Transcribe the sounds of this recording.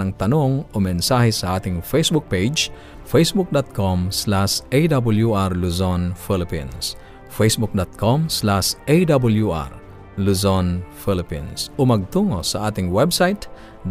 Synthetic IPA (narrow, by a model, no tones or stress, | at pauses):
nɐŋt̪ɐnoŋomɛnsahɛsɐʔaːt̪ɪŋfejsbuk̚pejd͡ʒ | fejsbuk̚d̪ot̪̚komslasejd̪abuljuʔaɾluzonfilɪpḭns | fejsbuk̚d̪ot̪̚kʰomslasʔejd̪abuljuʔa̰ɾ | luzonfilɪpḭnsʔomɐɡ̚t̪uŋosɐʔaːt̪ɪŋwɛbsajt̪ | d̪